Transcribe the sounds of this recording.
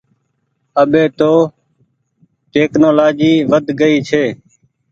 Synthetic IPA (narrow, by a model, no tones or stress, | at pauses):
əɓeːt̪oː | ʈeːknoːlaːd͡ʒiːʋəd̪ʱɡəiːt͡ʃʰeː